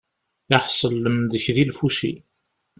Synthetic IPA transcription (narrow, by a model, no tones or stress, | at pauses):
ɪħsˤəlːəmðəçðilfuʃḭ